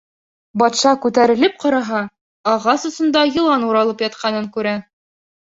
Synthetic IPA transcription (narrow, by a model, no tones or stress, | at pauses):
bɑt̪ʃɑkʉt̪æɾɘ̆lɘp̚qɑɾɑɦɑː | ʁɑsŏsɤ̆nd̪ɑjɤ̆lˠɑnuɾɑlˠɤpjɑt̪̚qʰɑnɤŋkʉɾæ